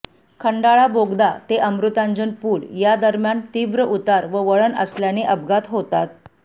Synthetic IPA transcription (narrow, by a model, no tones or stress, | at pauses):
kʰəɳɖaɭaboɡd̪at̪eʔəmɾut̪ãnd͡ʑənpuːɽjad̪əɾmjant̪ibɾəʔut̪aɾʋəʋəɭənə̰sljaneʔəb̚ɡat̪ɦot̪at̪̚